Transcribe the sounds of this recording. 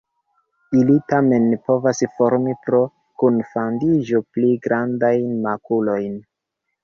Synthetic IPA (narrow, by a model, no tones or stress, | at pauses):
ilitame̞npo̞vasfo̞ɾmipɾo̞ | kunfandiʒo̞pliɡɾʔandajnmakulo̞jn